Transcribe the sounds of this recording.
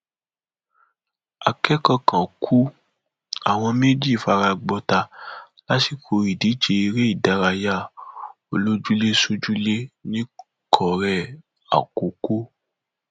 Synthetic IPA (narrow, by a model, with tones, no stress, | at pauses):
a̰˨kɛ˦kɔ̃˧kã˨kʰu˦ | a̰˨w̃ɔ̃˧me˦d͡ʒi˦˨fa˧ɾa˧ɡ͡bɔ˧ta˧ | la˦ti˨kʰo˧i˨di˨˦t͡ʃe˧i˧ɾe˦i˦˨da˨˦ɾa˧ja˦˨ | o˨lo˦d͡ʒu˦le˦so˦d͡ʒu˦le˦nĩ˦ | kʰɔ˨ɾɛ˦˨ | a̰˨ko˨ko˦